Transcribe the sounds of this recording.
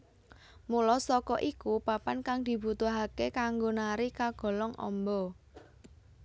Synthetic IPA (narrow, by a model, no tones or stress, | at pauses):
mulɔsɔkɔʔikupapankaŋd̪̥i̤but̪uɦakekaŋɡonaɾikaɡ̥ɔ̤lɔŋɔ̰mbɔ